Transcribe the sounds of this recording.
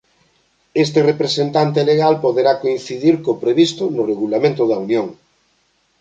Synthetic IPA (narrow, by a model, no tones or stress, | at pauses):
est̪erepɾesent̪ant̪̬eleɣalpoðeɾakoĩn̟θiðiɾkopɾeβist̪ʊnʊreɣulamẽnt̪ʊðɐunjõŋ